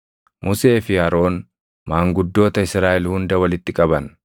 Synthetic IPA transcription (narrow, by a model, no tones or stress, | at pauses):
mʔʊse̞ːfɪhɐɾo̞ːn | maːŋɡʊd̪ːo̞ːt̪ɐɪsɾaːʔɛlhʊnd̪ɐwɐlɪt̪ːɪkʼɐbɐn